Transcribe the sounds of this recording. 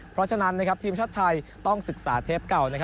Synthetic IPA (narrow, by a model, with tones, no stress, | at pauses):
pʰɾɔ˦˥t͡ɕʰa˧na˦˥nːa˦˥kʰa˦˥p̚t̪ʰiː˧mt͡ɕʰa˥˩t̪ʰːa˧jt̪ɔ˥˩ŋsɯ˨˩k̚saː˩˦t̪ʰeː˦˥p̚ka˨˩wna˦˥kʰa˦˥